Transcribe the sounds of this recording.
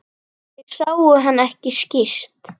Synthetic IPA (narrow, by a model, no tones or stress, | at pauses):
jɛɣsaːwʏɦanːɛhcɪscir̥t̪